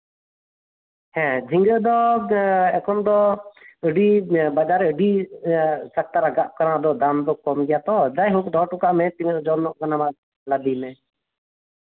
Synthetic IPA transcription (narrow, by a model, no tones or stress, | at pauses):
hɛ̃d͡ʒʱiŋɡəd̪ɔ | ɛkɔmd̪ɔəɖibad͡ʒaɾɛəɖi | sak̚t̪aɾaɡaʔ̚kaɾãd̪ɔd̪amd̪ɔkɔmɡɛjat̪ɔd͡ʒajɦuk̚d̪ʱɔʈukaʔmɛt̪imɛɔd͡ʒɔnɔʔkanama | lad̪imɛ